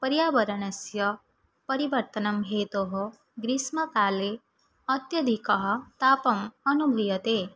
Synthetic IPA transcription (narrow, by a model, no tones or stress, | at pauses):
pəɾjaːbəɾɐnɐsjɐ | pɐɾiʋəɾt̪ɐnɐmɦet̪oɦo | ɡɾismɐkaːle | ɐt̪jɐd̪ʱikɐɦɔt̪apɐmɐnubʱijɐt̪e